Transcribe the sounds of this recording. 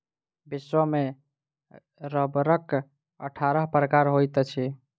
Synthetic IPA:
biswəme | ɾəbɾək | əʈʰaɾəɦpɾəkaɾɦojt̪t͡ʃʰi

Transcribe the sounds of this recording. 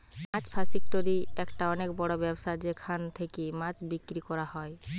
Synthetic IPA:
mãt͡ɕpʰasik̚t̪oɾiɛkʈaɔnekbɔɽobɛbʃad͡ʑekʰant̪ʰekemãt͡ɕbikːɾikɔɾahɔe

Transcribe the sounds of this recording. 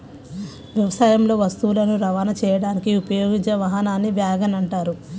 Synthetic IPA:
ʋjɐʋɐsaːjɐmlo̞ːʋɐst̪ulɐnuɾɐʋaːnɐt͡ʃɛːjɐɽaːnikiupɐjoːɡiɲt͡ʃɐʋɐɦɐnaːnːiʋjaːɡɐnɐɳʈaːɾu

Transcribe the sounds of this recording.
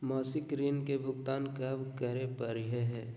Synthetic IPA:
mɔːsɪkɾiːnkebʱʊɡt̪aːnkəbkəɾepɐɾɪɦeɦɛː

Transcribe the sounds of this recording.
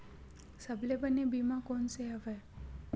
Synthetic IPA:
səblebənebimãkonseɦəʋe

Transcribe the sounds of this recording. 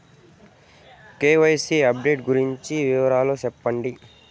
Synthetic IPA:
keːʋɐjsiɐp̚ɖeːʈɡuɾiɲt͡ʃiʋiʋɐɾaːloːt͡ʃɛpːɐɳɖi

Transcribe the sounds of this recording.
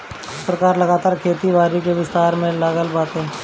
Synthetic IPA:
ɪspɾɐkaːɾlɐɡaːt̪aːɾkʰeːt̪iʋaːɾikeʋɪst̪aːɾmẽlaːɡəlbaːt̪ɦɛ̃ː

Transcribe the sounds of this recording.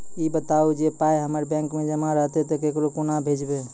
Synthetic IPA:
ibət̪awd͡ʒepajɦəməɾbɛ̃ŋkmed͡ʒəmãɾəɦt̪ɛt̪əkekɾokunabʱed͡ʒbe

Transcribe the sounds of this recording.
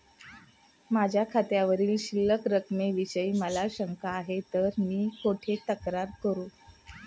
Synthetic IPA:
mad͡ʑʱjakʰat̪jaʋəɾiːlɕilːəkɾəkmeʋiɕəiːməlaɕəŋkaːɦet̪əɾmiːkoʈʰet̪əkɾaɾkəɾuː

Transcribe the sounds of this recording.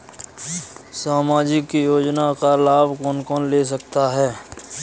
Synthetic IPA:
saːmaːd͡ʒɪkːijoːd͡ʒnakalaːbkɔːnkɔːnleːs̬ɐkt̪aɦɛː

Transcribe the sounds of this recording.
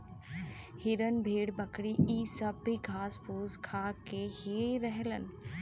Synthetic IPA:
hɪɾənbʱeːɽbəkɽiiːsəbːiɡʱaːspuːzkʰaːkeheɾəɦlən̆

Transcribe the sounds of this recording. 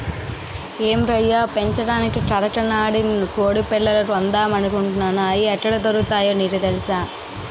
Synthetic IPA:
eːmɾɐjːaːpeɲt͡ʃɐɽaːnikikɐɾɐʈɐnaːɽinkoːɽipɛlːɐlɐɾɐnd̪aːmɐnukuɳʈunːaːnɐjiɛʈːɐɽɐt̪ɐɾut̪aːjoːniːɾɐd̪elisaː

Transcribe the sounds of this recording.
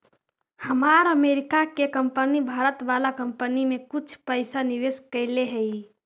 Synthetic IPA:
həmaɾəmeɾikakekəmpənibʱaɾət̪ʋalakəmpənimekut͡ʃʰpəɪsaniʋeskəɪleɦəi

